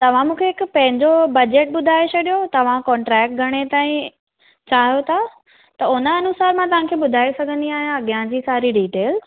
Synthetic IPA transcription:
t̪ɐʋ̤ãmũːkʰeɪkpɐ̃ɦɪ̃ɲd͡ʑobɐd͡ʑeːʈ̚ɓʊd̪ʱaːet͡ɕʰɐɗijot̪ɐʋ̤ãkɔ̃ːɳʈɾɛːk̚ʈ̚ɡʱɐɽ̃et̪aːĩ | t͡ɕaːɦijot̪ʰa | t̪ɐʊnəɐnʊsaːɾmãt̪ɐʋ̤ãkʰeːɓʊd̪ʱaːesɐɡʱə̃nd̪iaːɦijãɐɡijãd͡ʑiːsaːɾiɖiːʈeːl

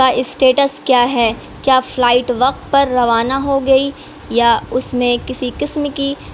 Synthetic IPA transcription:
aʔɪsʈeːʈəskjaːɦɛː | kjaːflaːɪʈʋɐq̚t̪̚pɐɾːɐʋaːnaɦoɡɐi | jaʊsmẽkɪsiqɪsmki

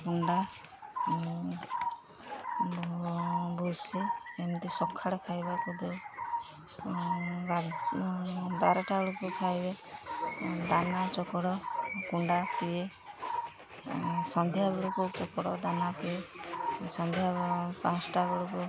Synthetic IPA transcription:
kuɳɖa | busient̪isɔkʰːaɽɔkʰajbakud̪ɔ | ɡa | baɾɔʈaɽukukʰajbe | d̪anat͡ʃɔkɔɽɔkuɳɖapie | sɔnd̪ʱjabeɽukut͡ʃɔkɔɽɔ̰d̪anapie | sɔnd̪ʱjapãt͡ʃʈabeɽuku

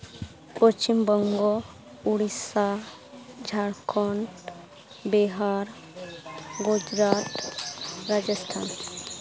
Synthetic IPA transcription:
pɔst͡ʃimbɔŋɡɔ | uɽisa | d͡ʒʱaɽkʰɔɳ | bɛɦaɾ | ɡud͡ʒɾat̪ | ɾad͡ʒəst̪ʰan

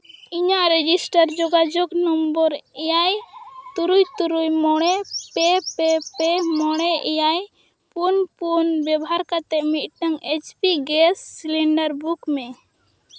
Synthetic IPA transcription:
iɲaʔɾɛd͡ʒisʈaɾd͡ʒɔɡad͡ʒɔknɔmbɔɾɛjajt̪uɾujt̪uɾujmɔɽ̃ɛpɛpɛpɛmɔɽ̃ɛʔɛjaj | punpunbɛbɔɦaɾkat̪ɛʔmit̪̚ˀʈaŋɛt͡ʃpiɡɛsːiliɳɖəɾbukmɛ

